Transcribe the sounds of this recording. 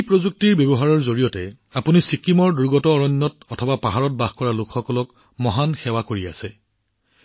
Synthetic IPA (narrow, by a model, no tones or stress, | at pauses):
pɹozuk̚tiɹbjɔbɔɦaɹɔɹzoɹijɔtɛ | apunisikimɔɹduɹɡɔtɔːɹɔɲːɔtɔtʰɔbapaɦaɹɔt̚baxkɔɹalʊkxɔkɔlɔk | mɔɦanxɛwakoɹia̰sɛ